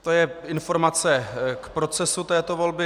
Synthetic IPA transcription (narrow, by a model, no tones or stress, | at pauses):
t̪o̞jɛɪnfo̞ɾmat͡sɛkpɾo̞t͡sɛsut̪ɛːt̪ovo̞lbɪ